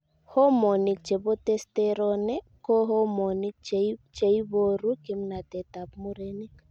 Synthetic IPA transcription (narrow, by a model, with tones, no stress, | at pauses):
hɔ˦mɔ˨ni˨k̚t͡ʃɛ˨bɔ˦t̪ɛst̪ɛɾɔnɛ˦ | kɔ˦ɦɔ˦mɔ˨ni˦k̚t͡ʃt͡ʃe˨ibo˦ɾu˦ki˦mna˨t̪ɛ˨t̪a˨p̚mu˦ɾɛni˦k